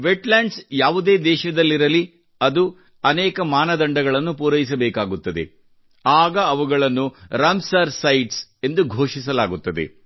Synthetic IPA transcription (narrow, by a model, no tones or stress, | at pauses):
ʋeʈlaːɳɖsjaːʋud̪e̞ːd̪ɛːʃɐd̪ɐlːiɾɐli | ɐd̪u | ɐnɛːkɐmaːnɐd̪ɐɳɖɐɡɐɭɐnːupuːɾɐjis̬ɐbɛːkaːɡut̪ːɐd̪ḛ | aːɡɐːʋuɡɐɭɐnːuɾɐmsɐɾsɐjʈse̞nd̪uɡʱoːʂisɐlaːɡut̪ːɐd̪ḛ